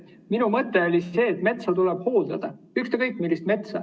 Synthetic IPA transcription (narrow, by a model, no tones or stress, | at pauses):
minumɤt̪ːˑe̞olʲie̞ːt̪ːˑme̞t̪sɑt̪ulɛb̥hoːld̪̥ɑd̪̥ɑ | yht̪ekɤjkːˑmilːist̪me̞t̪sɑ̰